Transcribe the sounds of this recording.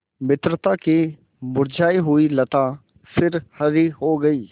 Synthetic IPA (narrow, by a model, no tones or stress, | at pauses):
mɪt̪ɾət̪aki | bʊɾd͡ʒaːiɦʊilɐt̪a | sɪɾhɐɾiɦoɡɐiː